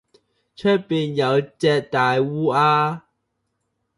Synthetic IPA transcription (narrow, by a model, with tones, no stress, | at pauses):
t͡ʃʰɵ˥t̚piː˨njɐ˨˧wt͡sɛː˧t̚t̪aː˨˧jwuː˥ʔaː˥